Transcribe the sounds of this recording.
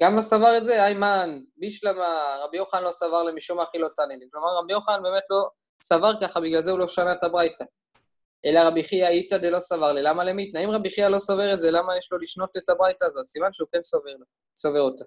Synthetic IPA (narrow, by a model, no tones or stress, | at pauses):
ɡ̥amlo̞savaʁetzeajmanbiʃlamaʁabijo̞χanlo̞savaʁlemiʃumaχilo̞taniliklo̞maʁːabijoχaanbe̞ːme̞tlo̞ | savaʁkaχabiɡlalzeulo̞ʃanaetabʁajta | ʔe̞laʁabiχiaitad̪elo̞savaʁlilamale̞mit̪naimʁabiχialo̞sove̞ʁetze̞lamajeʃlo̞liʃno̞te̞tabʁajtaːzo̞tsimanʃeukensoveʁlo | sove̞ʁota